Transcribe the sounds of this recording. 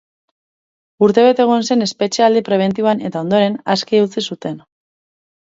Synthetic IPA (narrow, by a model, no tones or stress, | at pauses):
uɾt̪e̞βe̞t̪e̞ɣ̞onse̞ne̞spe̞t͡ʃeald̪ipɾe̞β̞e̞nt̪̬ioane̞t̪ao̞nd̪o̞ɾe̞naskeut͡sisut̪e̞n